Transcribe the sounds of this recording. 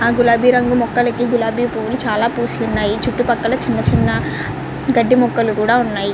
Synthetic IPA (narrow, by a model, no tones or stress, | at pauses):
aːɡulaːbʱiːɾɐŋɡumɔkːɐlɐkiɡulaːbʱiːpuːʋulut͡ʃaːlaːpuːsijunːaːjit͡ʃuʈːupɐkːɐlɐt͡ʃinːɐt͡ʃinːɐ | ɡɐɖːimɔkːɐlukuːɽaːunːaːji